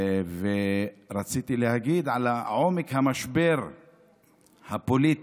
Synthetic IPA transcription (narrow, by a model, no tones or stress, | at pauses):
veɾat͡sit̪ilehaɡid̪ʕalaʕo̞mekhamaʃbe̞ɾ | hapolit̪